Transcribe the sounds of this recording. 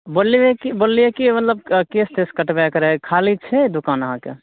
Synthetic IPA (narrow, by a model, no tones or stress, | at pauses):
boliekiboːlːiekimət̪ləb̚keːst̪eskəʈbɛkəɾekʰalit͡ʃʰɛd̪ʊkaːnəɦãkḛ